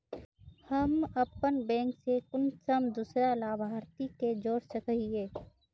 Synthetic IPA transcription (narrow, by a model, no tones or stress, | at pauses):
həmɐpənbɛ̃ːŋksekʊnsəmd̪uːsɾalaːbʱaːɾt̪iked͡ʒoːɾsəkɦieː